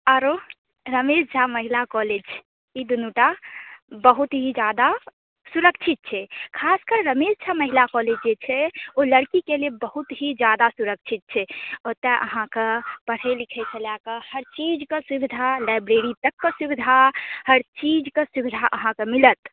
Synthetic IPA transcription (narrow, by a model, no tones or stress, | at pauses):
aɾo | ɾəmed͡ʒd͡ʒʰaməɦilakɔled͡ʒ | id̪unuʈabəɦut̪ɦid͡ʒad̪a | suɾək̚t͡ʃʰit̪̚t͡ʃʰɛkʰaskəɾːəmezd͡ʒʰaməɦilakɔled͡ʒd͡ʒet͡ʃʰɛoləɽkikelebəɦut̪ɦid͡ʒad̪asuɾək̚t͡ʃʰit̪̚t͡ʃʰɛot̪ɛ̃ʔə̰ɦãkəpəɽ̤ɛlikʰɛt͡ʃʰəljakəhəɾt͡ʃid͡ʒkesubid̪ʱalajbɾeɾit̪əkːəsubid̪ʱahəɾt͡ʃid͡ʒkesubid̪ʱaʔəɦãkemilət̪